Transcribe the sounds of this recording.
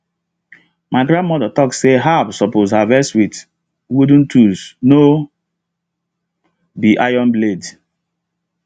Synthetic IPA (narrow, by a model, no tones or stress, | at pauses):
maɪɡɾãndmɔdatɔkseɦabsɔpozhavɛswit | wudũntʰusno | biʔajɔ̃nbled